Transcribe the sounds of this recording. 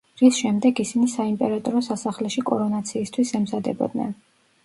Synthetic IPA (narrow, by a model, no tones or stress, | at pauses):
ɾisʃɛmd̪ɛɡisinisaimpʼɛɾat̪ʼɔɾɔsasaχlɛʃikʼɔɾɔnat̪sʰiːst̪ʰwisɛmzad̪ɛ̰bɔ̰d̪nɛ̰n